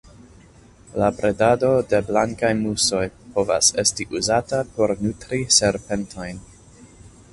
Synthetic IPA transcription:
labɾedado̞de̞blaŋkajmuso̞jpo̞va̰se̞stiʔuzatapo̞ɾnutɾise̞ɾpe̞ntʰo̞jn

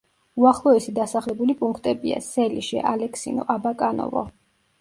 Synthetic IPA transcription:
uaχlˠɔɛsid̪asaχlɛbulipʼuŋkʰt̪ʼɛbia̰sɛliʃɛ̰ʔalɛkʰsḭnɔ̰ʔabakʼanɔ̰vɔ̰

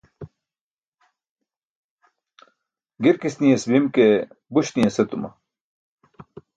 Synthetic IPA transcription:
ɡiɾkisnijesbimke | buɕnijɐsɐt̪umɐ̰

